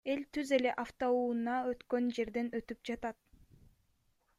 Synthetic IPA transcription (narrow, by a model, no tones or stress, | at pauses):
e̞lt̪yze̞le̞ʔaft̪ouːnɑø̞t̪kø̞nd͡ʒe̞ɾd̪e̞nø̞t̪yp̚d͡ʒɑt̪ɑt̪̚